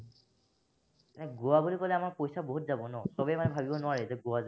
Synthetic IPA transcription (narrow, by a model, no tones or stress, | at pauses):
nɛɡowabulikɔlɛamaɹpojsaboɦutzabɔnɔsɔbɛmanɛbʱabibɔnʊaɹɛtɛɡowaza